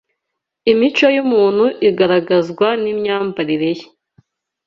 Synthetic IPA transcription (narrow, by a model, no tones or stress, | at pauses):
imit͡ʃojumuːn̥huʔiɡaɾaɡazɡwanimɲaːmbaɾiɾe̞je̥